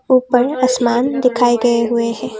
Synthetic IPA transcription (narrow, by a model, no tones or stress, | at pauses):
uːpəɾɐsmaːnd̪ɪkʰaːeɡɐeɦʊehɛ̃ː